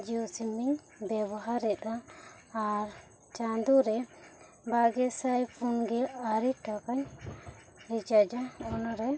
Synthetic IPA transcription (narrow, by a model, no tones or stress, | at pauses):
d͡ʒiɔsimiɲ | bɛbɔɦaɾɛt̪aː | ɾ | t͡ʃand̪uɾɛ | baɡɛsajpʰunɡɛaɾiʈakaɲ | ɾit͡ʃad͡ʒaɔnaɾɛ